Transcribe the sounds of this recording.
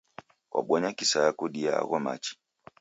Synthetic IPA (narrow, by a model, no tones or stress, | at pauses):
kwʔa̰ɓwɔɲakisajakuɗiaa̰ɣɔma̰t͡ʃi̥